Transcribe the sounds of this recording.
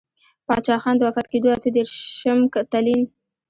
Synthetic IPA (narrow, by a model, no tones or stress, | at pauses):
pɑt͡ʃɑxɑnd̪əwafat̪ked̪oat̪əd̪eɾʃəmkt̪alin